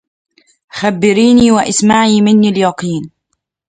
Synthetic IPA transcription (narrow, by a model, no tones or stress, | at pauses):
xabːɪɾiːniːwaʔɪsmaʕiːmɪnːiːljɑqiːn